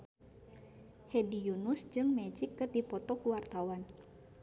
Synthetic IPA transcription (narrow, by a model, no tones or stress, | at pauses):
hɛdijunusd͡ʒɨŋmɛd͡ʒikːəd̪ipɔt̪ɔkuwart̪awan